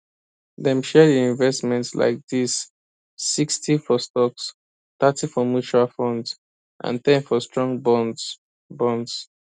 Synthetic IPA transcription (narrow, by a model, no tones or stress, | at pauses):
ðɛ̃mʃɛdiĩɱvɛstmɛ̃ntsla̰ɪk̚disː | ikstʰifɔstɔks | t̪atifɔmjut͡ʃualfɔ̃ndz | ʔã̰ntɛ̃nfɔstɹ̥ɔ̃ŋbɔnd | bɔ̃nds